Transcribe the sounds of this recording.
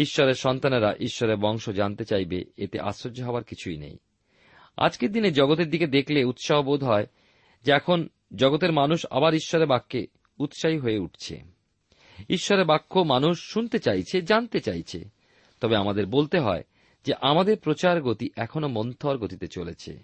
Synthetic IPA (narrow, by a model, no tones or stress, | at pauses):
iʃːɔɾeɾʃɔnt̪aneɾaʔiʃːɔɾeɾbɔŋʃod͡ʑant̪et͡ɕajbḛet̪ḛʔa̰sɾoɾd͡ʑoɦɔoaɾkit͡ɕʰuḭnḛj | a̰d͡ʑked̪ined͡ʑɔɡot̪eɾd̪iked̪ekʰleut̪ʃaɦobod̪ʱɦɔe | d͡ʑeɛkʰon | d͡ʑɔɡot̪̬eɾmanuʃa̰baɾiʃːɔɾeɾbakːe | ut̪ʃaɦiɦoeuʈ̚ʰt͡ɕʰḛ | iʃːɔɾeɾbakʰːomanuʃːunt̪et͡ɕajt͡ɕʰed͡ʑant̪et͡ɕajt͡ɕʰḛ | t̪ɔbeamad̪eɾbolt̪eɦɔ̰e | d͡ʑeʔamad̪eɾpɾot͡ɕaɾɡot̪iʔɛkʰonomont̪ʰoɾɡot̪it̪et͡ɕolet͡ɕʰḛ